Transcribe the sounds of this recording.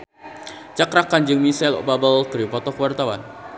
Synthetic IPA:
t͡ʃakɾakaɲd͡ʒɨŋmisalɔ̰babəlt̪ɾipɔt̪ɔkəwart̪awa̰n

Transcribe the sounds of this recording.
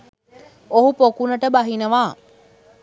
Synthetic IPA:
oɦupokunɐʈəbɐɦinɐʋaː

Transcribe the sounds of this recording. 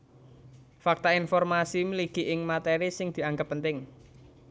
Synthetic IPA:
fak̚t̪ainfɔrmasimliɡ̥i̤ʔɪŋmat̪eɾisɪŋd̪̥i̤aŋɡəpːənt̪ɪŋ

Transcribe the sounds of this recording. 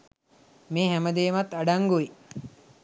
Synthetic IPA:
meːɦæməd̪eːmat̪ːaɖaŋɡuʋi

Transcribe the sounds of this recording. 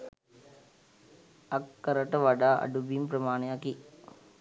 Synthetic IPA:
akːəɾəʈəʋaɖaːʔa̰ɖubimprəmaːnejaki

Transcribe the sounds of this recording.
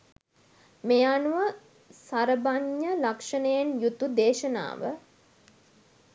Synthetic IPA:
mejanuʋə | saɾəbaɲːəlakʂənəjenjut̪ud̪eːʃəna̰ːʋə̰

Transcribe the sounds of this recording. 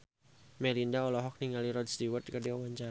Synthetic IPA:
melindaɔlɔɦɔk̚niŋɡaliɾɔd̪̚st̪iwət̪̚kadiɔwaɲt͡ʃa

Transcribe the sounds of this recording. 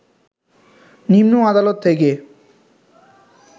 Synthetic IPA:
nimnoad̪alot̪ʰːeke

